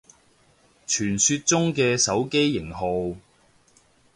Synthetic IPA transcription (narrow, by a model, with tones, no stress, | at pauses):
t͡ʃʰyː˨˩nsyː˧t̚t͡sʊ˥ŋkɛː˧sɐ˨˥wke˥jːɪ˨˩ŋɦo˨w